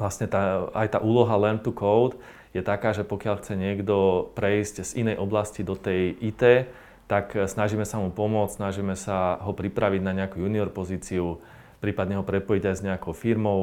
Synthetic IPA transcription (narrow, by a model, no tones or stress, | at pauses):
ʋlasɲɛt̪aajt̪a̰ːʔuːlɔɦalɛnt̪ukɔʊt̪ | jɛt̪akaːʒɛpɔkɪaʎxt͡sɛɲɪɛɡd̪ɔpɾɛiscz̥inɛjʔɔblascid̪ɔt̪ɛjʔit̪ɛː | t̪aksnaʒiːmɛsamupɔmʊɔt͡ssnaʒiːmɛsaɦɔpɾipɾaʋiɟnaɲɛakujuniɔɾpɔziːt͡siu | pɾiːpad̪ɲɛɦɔpɾɛpɔjiɟajzɲɛakɔʊfiɾmɔʊ